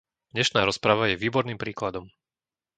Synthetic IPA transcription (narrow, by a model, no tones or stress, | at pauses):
d̪̥ɲɛʃnaːɾɔspɾaʋajɛʋiːbɔɾniːmpɾiːklad̪ɔm